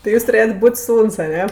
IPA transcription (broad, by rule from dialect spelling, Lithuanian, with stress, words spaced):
tɐɪ ˈjuːs tʊˈrʲeːjrʲtʲ ˈbuːtʲ ˈsuːns ɐˈnʲɛ